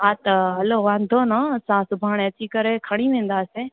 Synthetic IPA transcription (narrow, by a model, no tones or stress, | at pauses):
aːt̪ɐɦɐloːʋãːnd̪ʱoːnasãːsʊbʱaːɳ̃et͡ʃikɐɾekʰɐɽ̃iʋẽːn̆d̪aːseː